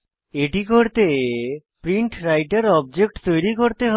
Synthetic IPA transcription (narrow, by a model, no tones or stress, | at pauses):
eʈikoɾt̪e | pɾiɳʈɾajʈaɾɔb̚d͡ʑek̚ʈt̪ojɾikoɾt̪eɦ